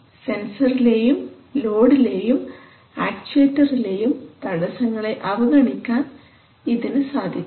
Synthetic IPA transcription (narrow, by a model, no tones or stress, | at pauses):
se̞nsɐrile̞ːjum | lo̞ːɽile̞ːjum | aːkt͡ɕeːtːɐrile̞ːjumt̪ɐɽɐsɐŋːɐɭe̞ʔɐʋɐɡɐɳikʲːaːn | iðinɨsaːd̪ʱikː